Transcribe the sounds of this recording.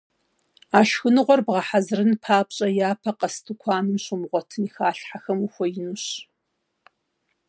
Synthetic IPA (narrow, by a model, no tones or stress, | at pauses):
aːʃxɨnɨʁʷɔrbʁɐħazɨrɨnpʰaːpɕʼɐjaːpʰɐqɐstʰɨkʷʰɑːnɨmɕʼʊmʁʷɔtʰɨnixaːɬħaxɐmuxʷɔjɪnuɕ